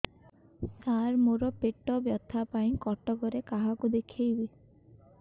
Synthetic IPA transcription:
saɾmoɾɔpeʈɔbjɔt̪ʰapaĩkɔʈɔɡɔɾekaɦakud̪ekʰejbi

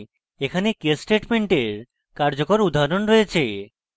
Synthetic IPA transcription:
ekʰanekesʈeʈmeɳʈeɾ | kaɾd͡ʑokoɾud̪ʱːaɾonɾoet͡ɕʰe

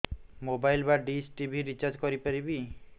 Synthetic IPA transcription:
mobajlbaɖisʈibʱiɾit͡ʃaɾd͡ʒkɔɾipaɾibi

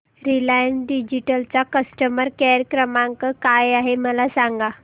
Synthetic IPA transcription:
ɾilajənɖid͡ʑiʈəlt͡sakəsʈəməɾkɛɾəkɾəmãŋkəkajaɦeməlasaŋɡa

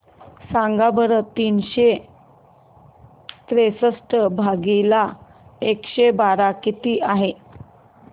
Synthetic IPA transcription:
sãŋɡabəɾət̪iːnɕe | t̪ɾesəsʈəbʱaɡila | ekɕebaɾakit̪iːʔaɦe

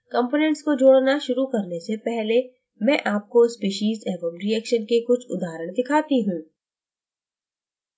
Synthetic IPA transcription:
kɐ̃mpoːnɛ̃ɳʈskod͡ʒoːɽnaʃʊɾukɐɾnesepɛɦle | mɛ̃ʔaːp̚kospiːʃiːzɛːʋə̃mɾiɛːkʃənkekʊt͡ʃʰʊ̰d̪aːɾəɽ̃d̪ɪkʰaːt̪iɦũː

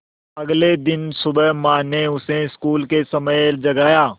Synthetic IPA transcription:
ɐɡled̪ɪnsʊbəɦmaːneʊseɪskuːlkesɐməjd͡ʒɐɡaːjaː

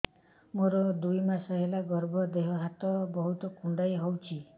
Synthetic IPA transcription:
moɾɔd̪ujmasɔɦelaɡɔɾbʱɔd̪eɦɔɦat̪ɔbɔɦut̪ɔkuɳɖajɦowt͡ʃʰi

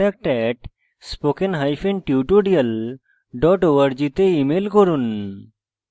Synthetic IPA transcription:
ak̚ʈɛʈ | spokenɦajpʰenʈjuʈoɖijəl | ɖɔʈowəɾd͡ʑit̪eimelkɔɾun

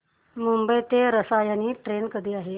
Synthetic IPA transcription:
mumbəjt̪eɾəsajañiːʈɾenkəd̪ʱiːaɦe

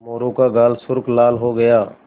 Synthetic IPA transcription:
moːɾõkaɡaːlsʊɾklaːlɦoɡəjaː

